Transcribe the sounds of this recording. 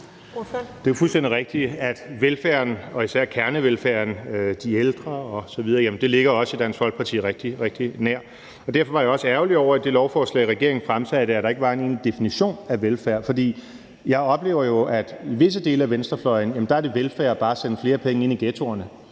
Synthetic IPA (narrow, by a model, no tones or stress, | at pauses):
d̥e̝æfulsd̥endiʁeɡ̥̚d̥iæd̥ʋelfæɐnɒ̽isæɐ̰kʰæɐnəʋelfæɐ̰nd̥ield̥ʁɐɒ̽sɒ̽ʋið̞ˠɐjæmn̩d̥e̝le̝ɡ̥ɐɒ̽sid̥ænsʋɒ̽l̰ɡ̥̚pʰɑ̈t͡sʰḭːʁɛɡ̥̚d̥iʁeɡ̥d̥inæɐ̰ | ɒ̽d̥æɐ̰fɒ̽ʋɑ̈jɑ̈ɒ̽səæɐʊliɒʊ̰ɐæd̥e̝lɒʊfɒːslɛ̰ːɪʁɛɡ̥e̝ɐ̰e̝ŋn̩fʁamt͡sʰæðd̥eæɐd̥ɑ̈e̝ɡ̥əʋ̥ɑ̈ːe̝neːnid̥e̝finiɕo̝̰ːnæʋelfæɐ̰fɒ̽d̥ḭː | jɑ̈ɪɒ̽b̥le̝̰ːʊ̰ɐjo̝ʔæd̥iʋe̝s̬əd̥e̝̰ːləæʋensd̥ʁɐflɒ̽ɪn̩jæmən̩d̥ɑ̈æɐd̥e̝ʋelfæɐb̥ɑ̈ːsenəfle̝ːɐpʰeŋəe̝niɡ̥eːt͡sʰo̝̰ːɐnə